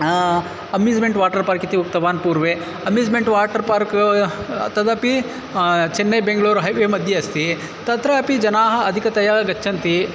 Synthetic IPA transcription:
ɐmjuːd͡ʒmeɳʈʋaːʈɐɾpaːɾkit̪iuk̚t̪ɐʋaːnpuːɾʋeː | ɐmjuːd͡ʒmeɳʈʋaːʈɐɾpaːɾk | t̪ɐd̪ɐpi | t͡ʃenːɐjbeŋɡɐɭuːɾɦɐjʋeːmɐd̪ʱjɐɐst̪i | t̪ɐt̪ɾɐɐpid͡ʒɐnaːɦɐɐd̪ʱikɐt̪ɐjaɐɡɐt͡ʃːʃʰɐnt̪i

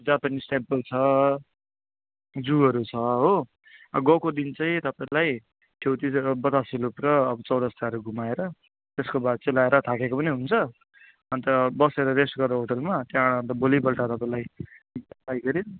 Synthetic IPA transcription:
d͡zapanisʈempʌlt͡sʰʌ | d͡zuʌɾut͡sʰʌɦo | aɡʌkod̪int͡sʌj̃t̪ʌpaĩlaj | ʈʰjewt̪ibʌt̪asilupɾʌːbʌt͡sʌwɽʌst̪aʌɾuɡumaeɾʌ | t̪eskobad̪̚t͡sʌlaeɾʌt̪ʰakekopʌniɦunt͡sʰʌ | ʌnt̪ʌbʌseɾʌɾesʈɡʌroɦoʈʌlmat̪jãːɽɦʌnt̪ʌbolibʌlʈat̪ʌpãĩlaj | pajɡʌɾi

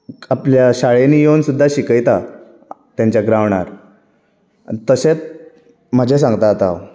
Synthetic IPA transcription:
apljaɕaɭenijewnsud̪ʱːaɕikəjt̪a | t̪jãɲt͡ɕjaɡɾaʋɳaɾ | t̪əɕet͡s | m̤əd͡ʑʱes̬ãŋɡt̪at̪a̰

